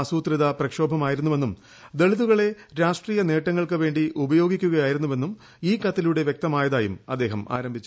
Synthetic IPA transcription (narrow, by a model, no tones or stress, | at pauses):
ɐsuːt̪riðɐprɐkʂo̞ːbʱɐmaːjiɾunːuʋe̞nːum | d̪eɭiðuɣɐɭe̞ | ɾaːʂʈriːjɐne̞ːʈːɐŋːɐɭkɨʋe̞ːɳɖiʔubɐjo̞ːɡikʲːuɣɐjaːjiɾunːuʋe̞nːum | iːkɐt̪ːiluɽe̞ʋjek̚t̪ɐmaːjɐðaːjumɐd̪ːe̞ːɦɐma̰ːɾɐmbʱit͡ɕːu